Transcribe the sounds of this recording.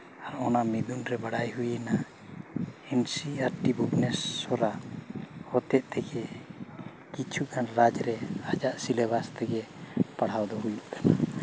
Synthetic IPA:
aɾɔnamid̪unɾɛbaɽajɦujina | insiaɾʈibubnɛsːɔɾaʔhɔt̪ɛʔ̚t̪ɛɡɛ | kit͡ʃʰukʰanɾad͡ʒɾɛad͡ʒaʔsilɛbast̪ɛɡɛpaɽ̤awd̪ɔɦujuʔkʰana

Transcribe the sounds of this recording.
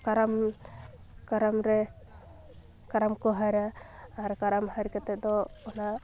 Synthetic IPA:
kaɾam | kaɾamɾɛ | kaɾamkɔɦaɾaːɾkaɾamɦaɾkɛt̪ɛd̪ɔɔna

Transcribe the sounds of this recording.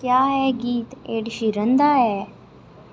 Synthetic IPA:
kjaːɦɛɡiːt̪eɽɕiɾənd̪aɦɛ

